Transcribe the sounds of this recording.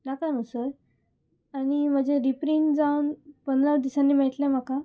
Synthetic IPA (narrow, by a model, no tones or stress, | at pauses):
nakanəsəɾ | aɽ̃im̤əd͡ʑeɾipɾiːnd͡zaunpənd̪ɾad̪isanːiːmeɭt̪lem̤aka